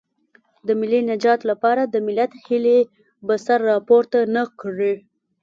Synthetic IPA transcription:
d̪əmɪlːinad͡ʒɑt̪lapɑɾad̪əmɪlat̪hɪle | bəsaɾːɑpoɾt̪anəkɽi

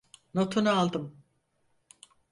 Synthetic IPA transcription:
not̪ʰunalˠd̪ɯm

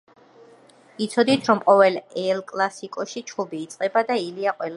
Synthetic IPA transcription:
it̪sʰɔd̪it̪ʰɾɔmqʼɔvɛlɛlkʼlˠasikʼɔʃit͡ʃʰχʰubiːt̪sʼqʼɛbad̪ailiaqʼwɛl

